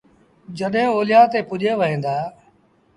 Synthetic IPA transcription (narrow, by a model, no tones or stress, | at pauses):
d͡ʒəɗɦẽoːlɪjãːt̪eːpʊʄeːʋəɦẽːnd̪aː